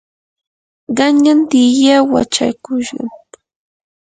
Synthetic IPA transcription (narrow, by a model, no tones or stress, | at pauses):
ɢɑɲant̪ijawa̰t͡ʃa̰jkʊʃɢɑ̰m